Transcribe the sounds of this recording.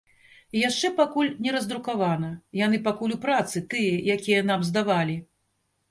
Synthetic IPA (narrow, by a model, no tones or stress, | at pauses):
ijaʂt͡ʂɛpakulʲnʲɛɾɐzd̪ɾukavanɐjanɨpakulʲupɾat̪sɨt̪ɨjɐjakʲijɐn̪amzd̪avalʲi